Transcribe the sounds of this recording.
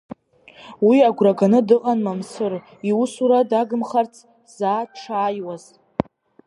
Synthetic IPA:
wiaɡʷraɡanɨdɨqʼanmamsɨr | iwusuɾadaɡɨmχart͡sʰ | z̥aːʈ͡ʂʰaːjwaz̥

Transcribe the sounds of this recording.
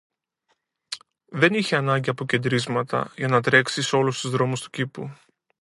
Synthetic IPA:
ðe̞niçeɐnɐɲɟiɐpoce̞nd̪ɾizmɐt̪ɐ̰ʝɐnɐt̪ɾe̞ksiso̞lust̪uzðɾo̞must̪u̥cipu

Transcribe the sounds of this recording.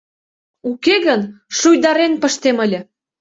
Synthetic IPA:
ukeɣənʃujd̪ɑɾenpəʃt̪eməlʲə̆

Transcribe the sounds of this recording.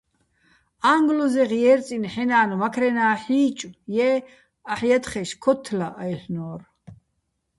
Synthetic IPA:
aŋɡlɔzɛʁjɛɾt͡sʼinħɛnaːnmakʰɾɛnaːħiːt͡ʃʼujɛː | aħjat̪ʰχɛʃkʰɔt̪ʰːlaʔːjɬnɔːr

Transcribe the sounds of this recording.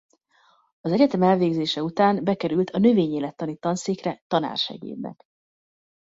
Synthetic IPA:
ɒzɛɟɛt̪ɛmɛlveːɡzeːʃɛut̪aːmbɛkɛɾylt̪ʰɒnø̞veːɲeːlɛt̪ːɒnit̪ːɒnsiːkrɛt̪ɒna̰ːrʃɛ̰ɡḛːd̪nɛ̰k

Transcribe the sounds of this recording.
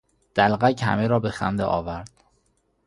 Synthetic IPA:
d̪̥ælɣæchæ̰meɾɒːbexæ̰nd̪ḛʔɒ̰ːvæɾd̪̥

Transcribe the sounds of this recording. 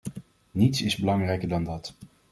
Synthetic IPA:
nitsɪzbəlɑŋrɛjkəɹdɑndɑt

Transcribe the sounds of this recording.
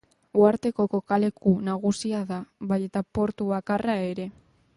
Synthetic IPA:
uaɾt̪e̞ko̞ko̞kale̞kunaɣ̞usiaðaβaje̞t̪apo̞ɾt̪uβakarae̞ɾe̞

